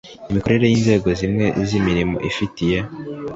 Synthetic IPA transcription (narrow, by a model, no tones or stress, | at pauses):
imiko̞ɾe̞ɾe̞jiːnze̞ːɡo̞zimŋe̞zimiɾimo̞̰ʔifitije̞